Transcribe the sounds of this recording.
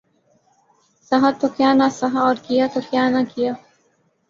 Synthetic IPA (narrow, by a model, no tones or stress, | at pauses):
sɐɦat̪okjaːnasɐɦaɔːɾkijat̪okjaːnakijaː